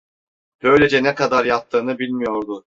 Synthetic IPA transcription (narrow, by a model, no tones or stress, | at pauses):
b̥ø̞jlʲed͡ʒɛnɛkad̪aɾjap̚t̪ʰːɯːnɯbilʲmijo̞ɾd̪ʊ